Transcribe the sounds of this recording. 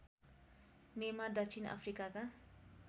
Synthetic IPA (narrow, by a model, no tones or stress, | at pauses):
memad̪ʌk̚t͡ʃʰina̰pʰrikaka